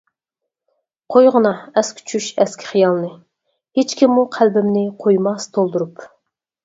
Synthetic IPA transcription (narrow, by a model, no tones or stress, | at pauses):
qʰojʁənɑɛskʲɪ̥t͡ʃʰyʃɛskʲʰɪ̥χijɑlˠnɨ | het͡ʃkʲimːuqʰælbɪmnɪqʰojmɑst̪ʰolˠd̪uɾup